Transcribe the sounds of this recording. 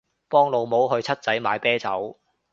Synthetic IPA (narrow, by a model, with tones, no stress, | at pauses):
pɔː˥ŋlo˨wmo˨˥wɦɵ˧ɥt͡sʰɐ˥t̚t͡sɐ˨˥jma̰ː˨˧jpɛː˥t͡sɐ˨˥w